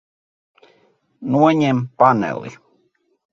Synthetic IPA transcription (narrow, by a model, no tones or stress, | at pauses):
nuoɲempanḛlḭ